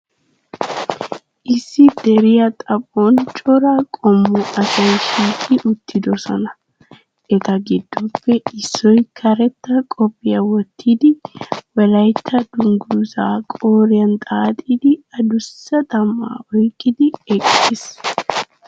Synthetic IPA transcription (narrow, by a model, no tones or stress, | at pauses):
ʔɪsːɪd̪̥ɛɾɪjɐt̪ʼɐpʼoːnt͡ʃʼɔɾakʼɔmːʊʔɐsɐjʃiːkʼɪʔʊt̪ːɪd̪ɔsɔ̰nɐ | ʔɛt̪ɐɡɪd̪ːɔpːɛɪsːɔjkʰɐɾɛt̪ːɐkʼɔpʼːɪjɐwɔt̪ʰːiːd̪ɪwɐlɐjt̪ʰːɐd̪̥ʊŋɡuzaːkʼoːɾɪjɐnt̪ʼaːt̪ʼid̪ɪɐd̪ʊsːɐt̪ʼɐmːa̰ːʔɔjkʼːɪd̪ɪɛkʼːes